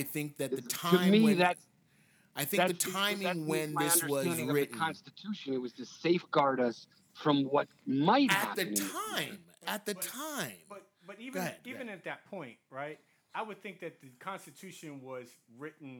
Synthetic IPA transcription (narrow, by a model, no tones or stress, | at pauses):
ɪθɪ̃ŋk̚ðɨt̪ðɨtʰãɨɪmiðɨt | aɪθɪ̃ŋɨkðɨtʰãɪ̃mɪɨwɨ̃nðɪʌsnəwʌæ̃ndɪ̃ŋʌɪɨk̩ʰɑ̃nstɨtʰʉʃɨ̃nɨt̚wʌzðɨseɪfɡ̥ɑɹɾʌs | fɹʌ̃mwʌt̚maɪt̚hɨæ̰ðɨtʰãɪ̃m | ɨt̪̚ðɨtʰãɪ̃mbʌt̚ | b̥ʌɾiviɨ̃nɨt̪̚ðɨt̚pʰɔ̃ɪ̃nt̚ɹaɪt̚ | aɪwɨd̪̚θɪ̃ŋk̚ðɨt̪̚ðɨkʰɑ̃nstɨtʰʉʃɨ̃nwʌzɹɪʔn̩